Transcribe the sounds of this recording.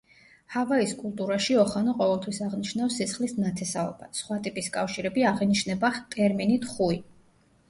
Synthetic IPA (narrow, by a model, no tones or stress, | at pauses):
havaiskʼulˠt̪ʼuɾaʃiɔχanaqʼɔvɛlˠt̪ʰwisaʁniʃnafsːisχlisnat̪ʰɛsaɔ̰basχwat̪ʼipʼiskʼafʃiɾɛbiaʁiniʃnɛbat̪ʼɛɾminit̪ʰχui